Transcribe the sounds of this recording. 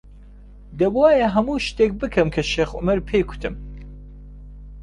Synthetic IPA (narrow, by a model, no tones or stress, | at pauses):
d̪ɐbwaːjɐɦɐmuːʃt̪eːk̚bɨkʰɨmkʰɐʃeːxʔʊ̰mɐɾpʰeːkʰu̥t̪ʰɨm